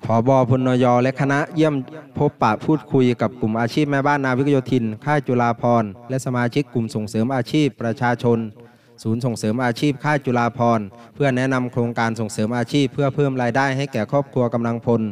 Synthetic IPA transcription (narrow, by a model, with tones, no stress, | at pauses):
pʰɔː˩˦bɔː˧pʰo˧nːɔː˧jɔː˧lɛ˦˥ʔkʰa˧na˦˥ʔji˥˩əmpʰo˦˥pːa˨˩pʰuː˥˩t̪̚kʰu˧jka˨˩p̚ku˨˩mʔaː˧t͡ɕʰiː˥˩p̚mɛː˧˩baː˥˩nːaː˧wi˦˥k̚ʰjo˧˥t̪ʰi˧nkʰaː˥˩t͡ɕu˧laː˧pʰɔː˧nlɛ˦˥ʔsa˧maː˧t͡ɕʰi˦˥kːu˨˩mso˨˩ŋsɤː˩˦mʔaː˧t͡ɕʰiː˥˩pːɾa˧t͡ɕʰaː˧t͡ɕʰo˧n | suː˩˦ns̬o˨˩ŋsɤː˩˦mʔaː˧t͡ɕʰiː˥˩p̚kʰaː˥˩t͡ɕu˧laː˧pʰɔː˧npʰɯ˥˩ɐnɛ˦˥na˧mkʰɾoː˧ŋkaː˧nso˨˩ŋsɤː˩˦mʔaː˧t͡ɕʰiː˥˩pʰːɯ˥˩ɐpʰɤː˥˩mɾaː˧jdaː˥˩jha˥˩jkɛː˨˩kʰɔː˥˩p̚kʰu˧ɐka˧mla˧ŋpʰo˧n